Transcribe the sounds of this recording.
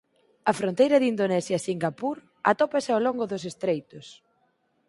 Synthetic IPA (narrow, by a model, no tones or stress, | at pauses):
ɐfɾont̪ejɾɐðind̪onɛsjɐsiŋɡapuɾ | a̰t̪ɔpasɪawloŋɡʊðʊsest̪ɾejt̪ʊs